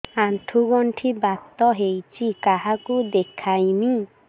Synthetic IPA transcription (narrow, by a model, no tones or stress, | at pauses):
aɳʈʰuɡɔɳʈʰibat̪ːɔɦejt͡sʰikaɦakud̪ekʰajni